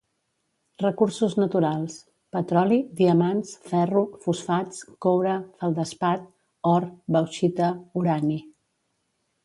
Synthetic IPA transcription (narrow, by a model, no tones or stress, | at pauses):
rəkursuznət̪uɾalˠs | pət̪ɾɔliðiəmansfɛrufusfat͡skowɾəfəlˠd̪əspat̪̚ | ɔɾbəwʃit̪əuɾani